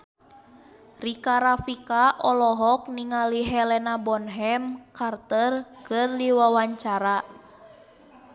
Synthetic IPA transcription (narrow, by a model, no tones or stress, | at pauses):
rikaɾafikaʔɔlɔɦɔk̚niŋaliɦɛlɛnabɔnɦɛmkart̪ərkɨrdiwawaɲt͡ʃaɾa